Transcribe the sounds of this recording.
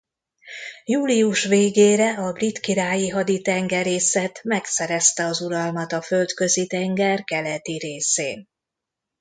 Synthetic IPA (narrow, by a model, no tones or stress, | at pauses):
juːliuʃʋeːɡeːɾɛɒbrit̪kiɾaːjiɦɒd̪it̪ɛŋɡɛɾeːsɛt̪mɛksɛɾɛst̪ɛɒzuɾɒlmɒt̪ɒfølt̪kø̞zit̪ɛŋɡɛrkɛlɛt̪iɾeːseːn